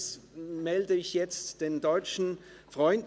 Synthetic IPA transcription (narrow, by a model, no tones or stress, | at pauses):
smɛldəɪçjɛt͡std̥eːndɔʏt͡ʃn̩fʁɔʏnd